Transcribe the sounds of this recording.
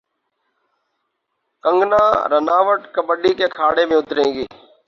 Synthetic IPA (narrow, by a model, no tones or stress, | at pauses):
kəŋɡnaːɾənaːʋəʈkəbəɗiːkeːkʰaːɽeːmẽːʊt̪ɾẽːɡeː